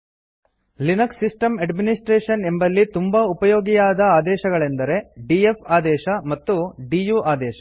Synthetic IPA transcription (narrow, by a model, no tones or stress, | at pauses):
linɐksisʈɐmɐɖminisʈɾeːʃɐnembɐlːit̪umbɐupɐjoːɡijaːd̪ɐaːd̪ɛːʃɐɡɐɭend̪ɐɾe̞ɖiepʰaːd̪ɛːʃɐmɐt̪ːuɖijuːʔaːd̪ɛːʃɐ̥